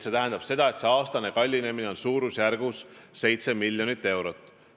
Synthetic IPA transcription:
se̞t̪æɦend̪ɑb̥se̞d̪̥ɑe̞t̪seɑːst̪ɑne̞kɑlʲːine̞mine̞o̞nsuːɾusjærɡ̥usːe̞jt̪se̞milʲjo̞nit̪ːe̞wɾot̪ːˑ

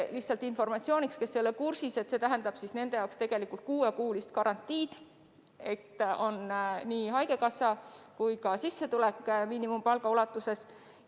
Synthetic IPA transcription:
lihtsːˑɑlt̪info̞rmɑt̪sio̞ːnʲikskesːelːekursise̞t̪se̞t̪æɦænd̪ɑb̥sisne̞nd̪̥e̞jɑwkst̪e̞ɡ̥e̞likːˑult̪̚kuːekuːlist̪kɑɾɑnt̪ːˑiːd̪̥ | e̞t̪ːˑo̞nniːɦɑjɡe̞kɑsɑkujkɑsisːe̞t̪ulekːˑmiːnimumpɑlɡ̥ɑulɑt̪ːˑuse̞s

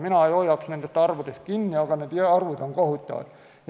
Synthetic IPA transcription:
minæɑjojɑksnent̪est̪ːɑrʋut̪est̪̚kinːiɑkɑnet̪ieɑrʋut̪ɑŋkohut̪ʲːɑ̰ʋ̰ːt̪

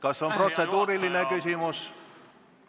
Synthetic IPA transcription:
kɑssomprot̪sed̪uːrilːinekysymus

